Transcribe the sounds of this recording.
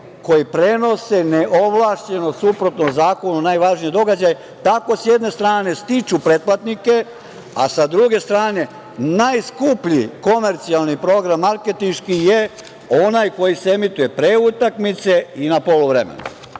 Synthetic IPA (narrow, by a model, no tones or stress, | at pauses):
ko̞jipɾe̞no̞se̞neʔoʋlˠaːʃt͡ɕe̞no̞supɾo̞t̪nozaːko̞nunajʋaʒnije̞d̪o̞ɡad͡ʑaje | t̪ako̞sjed̪ne̞st̪ɾaːne̞st̪it͡ʃupɾet̪̚plat̪nike̞ | a̰sad̪ɾuɡe̞st̪ɾaːne̞ | najskupʎiko̞me̞ɾt̪sialˠnipɾo̞ɡɾamːaɾke̞t̪inʃkije | o̞najko̞jiseemit̪uje̞pɾeut̪akmit̪se̞inapo̞luʋɾḛmḛna̰